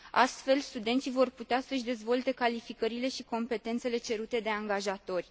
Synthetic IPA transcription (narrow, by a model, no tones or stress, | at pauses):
a̰st̪fe̞lst̪ud̪ent̪sijvo̞rput̪easəʃd̪e̞zvo̞lt̪e̞kalifikəɾile̞ʃiko̞mpe̞t̪e̞nt̪se̞le̞t͡ʃe̞ɾut̪e̞d̪e̞aŋɡaʒat̪o̞rʲ